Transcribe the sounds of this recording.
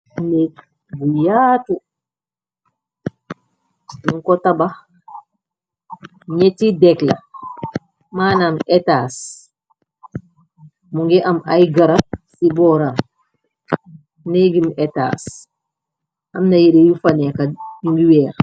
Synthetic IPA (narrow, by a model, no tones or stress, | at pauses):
nɛ | bujaːtu | niŋkɔtɐbɐ | ɲɛtidɛklɐ | maːnaːmɛtaːs | muŋɡiʔɐmɐjɡɐɾɐsibɔːɾa | nɛɡimʔɛta̰ːs | ɐmnɐjiɾejufɐnɛkɐiŋɡiwɛːɾ